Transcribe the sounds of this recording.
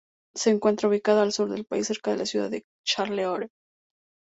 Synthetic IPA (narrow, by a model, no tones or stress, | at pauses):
se̞ːŋkwe̞nt̪ɾauβikaðaːlsuɾðe̞lpaisːe̞ɾkaðe̞lasjuða̰ðe | t͡ʃaɾleoɾe